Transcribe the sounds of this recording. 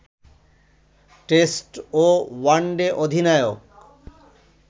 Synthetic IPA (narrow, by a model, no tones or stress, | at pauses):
ʈesʈowaɳɖeʔod̪ʱinaeok